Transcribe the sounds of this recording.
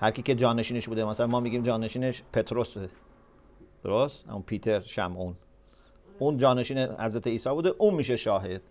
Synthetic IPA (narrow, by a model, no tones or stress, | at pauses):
hæɾkʲiːke̞d͡ʒɒːneʃiːneʃbuːd̪emæsælænmɒːmiːɡʲiːmd͡ʒɒːne̞ʃiːneʃpʰet̪ʰɾose | d̪̥oɾost̪hæ̰munpʰiːt̪ʰe̞ɾʃæ̰mʔuːn | uːnd͡ʒɒːne̞ʃiːnehæ̰zɾæt̪eiːsɒːbuːd̪eʔũːnmiːʃeʃɒːɦe̞d̪̥̚